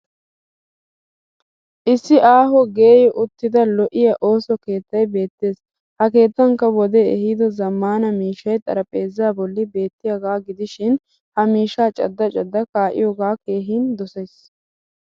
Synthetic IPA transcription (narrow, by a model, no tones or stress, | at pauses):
ʔɪsːɪʔaːɦɔɡe̞ːjɔʔʊt̪ːɪd̪ɐlɔʔɪjɐʔo̞ːsɔke̞ːt̪ːɐjbe̞ːt̪ːe̞ːs | hɐke̞ːt̪ːɐŋkːɐwɔd̪ɛɛhid̪ɔzɐmːaːnɐmiːʃɐjt̪ʼɐ̰ɾɐpʼe̞ːzɪaːbɔlːɪbe̞ːt̪ːɪjaɡaːɡɪd̪ɪʃɪn | hɐmiːʃaːt͡ʃʼɐ̰d̪ːɐt͡ʃʼɐd̪ːɐkaːʔɪ̰joːɡaːke̞ːɦiːnd̪ɔsɛs